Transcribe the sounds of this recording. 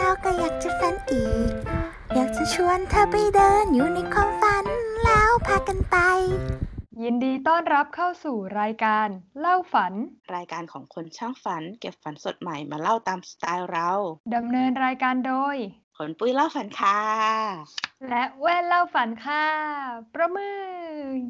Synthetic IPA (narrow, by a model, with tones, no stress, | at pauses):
t̪aː˧˩wka˧˩jaː˨˩k̚t͡ɕa˨˩fa˧˦nʔiː˨˩˨k̚ | jaː˨˩k̚t͡ɕa˧˩t͡ɕʰu˧ənt̪ʰaː˧˩pa˧jdɤː˧njuː˨˩˦na˧jkʰwaː˧˥mfa˧˦nlaː˧˥˩wpʰaː˧ka˧npa˧jji˧ndiː˧t̪ɔː˥˩nɾa˦˥p̚kʰa˥˩wsuː˨˩ɾaː˧jkaː˧nla˥˩wfa˩˦nɾaː˧jkaː˧nkʰɔː˩˦ŋkʰo˧nt͡ɕʰaː˥˩ŋfa˩˦nke˨˩p̚fa˨˩˦nso˨˩t̪̚ma˨˩jmaː˧la˥˩wt̪aː˧msḁ˧t̪aː˧jɾa˧˥wda˧mnɤː˧nɾaː˧jkaː˧ndoː˧j | kʰo˨˦npuː˧˩˨jla˥˩wfa˨˦nkʰaː˧˩ | lɛ˦˥ʔwɛː˥˩nla˥˩wfa˩˦nkʰaː˧˩pɾa˧mɯː˧˩